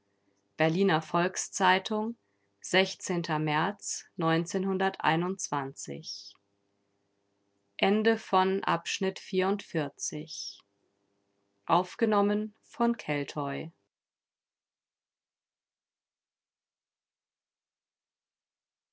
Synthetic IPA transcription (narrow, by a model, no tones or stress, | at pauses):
b̥ɛɐliːnɐfɔlkst͡saɪtʰʊŋ | z̥ɛçt͡seːntʰɐmɛɐt͡snɔʏnt͡seːnhʊndɐtʔa̰ɪnʊntt͡sv̥ant͡sɪ̰ç | ʔɛndəfɔnʔa̰pʃnɪtfiːɐʊntfɪɐt͡sɪç | ʔaʊfɡ̥ənɔmən | fɔnkʰɛltʰɔʏ